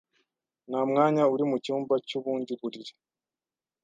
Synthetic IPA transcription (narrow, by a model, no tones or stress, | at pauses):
namŋaːɲauɾimucuːmbacuβuːndiβuɾiɾe̥